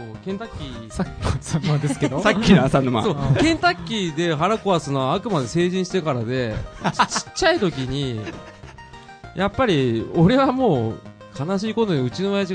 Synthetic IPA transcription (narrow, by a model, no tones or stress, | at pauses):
oːkẽnt̪akʲːi | saad̪esked̪osakʲːinsãnːomã̰so̞ːkẽ̞nt̪akʲːid̪e̞ɦaɾako̞βasɨnoaːkɯ̟mad̪e̞se̞ːʑĩɰ̃ɕi̥t̪e̞kaɾad̪e̞t͡ɕt͡ɕi̥t͡ɕːait̪o̞kʲiɲ̟i | japːaɾʲio̞ɾe̞βamo̞ː | kʰanaɕ̬iːko̞t̪o̞ɲiɯ̟t͡ɕino̞majaʑi